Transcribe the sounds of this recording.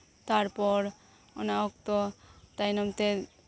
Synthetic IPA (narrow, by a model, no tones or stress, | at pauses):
t̪aɾpɔɾ | ɔ̰naɔkt̪ɔt̪ajnɔmt̪e